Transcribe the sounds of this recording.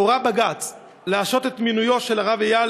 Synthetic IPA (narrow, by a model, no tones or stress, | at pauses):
oʁabaɡat͡s | leaʃo̞t̪et̪minujo̞tʃe̞laʁavejal